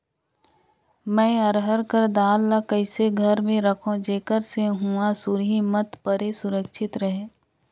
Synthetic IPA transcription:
mɛ̃ːɐɾɦəɾkəɾd̪aːlːakəɪseɡʱəɾmẽɾəkʰõd͡ʒeːkəɾseɦuasʊɾɦimət̪pəɾesʊɾəkʃɪt̪ɾəɦe

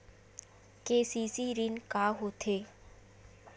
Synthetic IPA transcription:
keːsisiɾinkaːɦot̪ʰeː

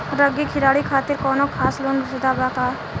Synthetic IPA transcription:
ɾəɡikʰɪɾaːɽikʰaːt̪ɪɾkɔːnokʰaːsloːnɾɪsd̪aːbaːkaːɾ

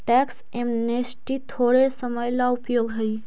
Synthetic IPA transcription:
ʈɛːks | emnesʈit̪ʰoːɽesəməjlaʊpjoːɡɦəi

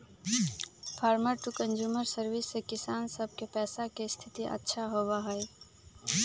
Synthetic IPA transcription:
pʰaːɾməɾʈukənd͡ʒjuːməɾsəɾwisːekɪsaːnsəb̚ʱkepɛːsakest̪ʰit̪iʔə̰tːʃʰaɦobaɦəj

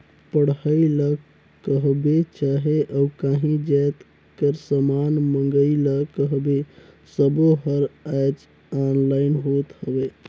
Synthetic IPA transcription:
pəɽ̤ɦəilə | kəɦbet͡ʃaɦeʔaukaɦĩd͡ʒɛt̪ | kəɾsəmanməŋɡəiləkəɦbe | səboɦəɾad͡ʒ | anlaɪnɦot̪həbe

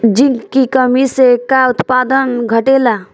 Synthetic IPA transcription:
d͡ʒɪnkikəmisekaʊt̪paːd̪ənɡʱəʈela

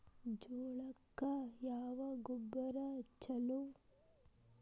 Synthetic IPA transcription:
d͡ʒuːɭɐkːɐjaːʋɐɡubːɐɾɐt͡ʃːɐlu

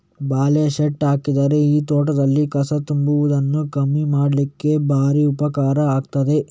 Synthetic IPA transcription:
baːlɛjɐʃeʈaːkid̪aːɾeiːt̪oːʈɐd̪ɐlːikɐsɐt̪umbuʋud̪ɐnːukɐmːimaːɽlikːe̞bʱaːɾiupɐkaːɾɐaːɡt̪ɐd̪e̞

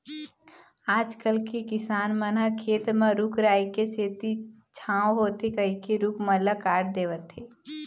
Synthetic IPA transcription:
aːd͡ʒkəlkikɪsaːnmənakʰeːt̪mãɾukʰɾaːikeseːt̪i | t͡ʃʰãːwɦoːt̪ekəɦikeɾukmələkaːɽd̪eːʋət̪ɦeː

